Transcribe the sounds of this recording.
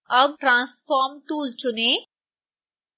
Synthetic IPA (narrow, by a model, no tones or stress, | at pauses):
əb̚ʈɾãːsfɔːɾmʈuːlt͡ʃʊneː